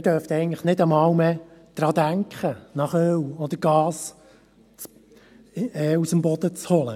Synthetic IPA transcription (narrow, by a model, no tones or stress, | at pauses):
ɪdœft̪ɛɪɡəŋ̩tləχnɪdəmɑːwmɛd̪̥ɾɑːd̪æŋkχənɑχœwɔd̪əɾɡɑːs | t͡s | ɛːusəmbɔd̥̪ət͡shɔlə